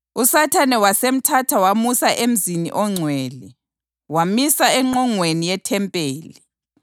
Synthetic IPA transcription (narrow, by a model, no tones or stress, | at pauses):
usatʰanɛwasem̩tʰatʰawamusaʔem̩zinḭʔɔŋ͡ǀʱwɛːli | wamisaɛŋ͡ǃɔŋwenijɛtʰɛmpʼeːli